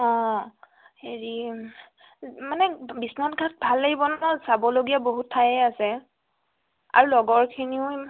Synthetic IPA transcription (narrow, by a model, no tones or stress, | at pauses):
ɔ̃ | heɹi | manɛbisnatɡʱat̚bʱalːejbɔnɔsabɔloɡijaboɦutʰːajɛasɛ | a̰ɹulɔɡɔɹkʰiniʊ̃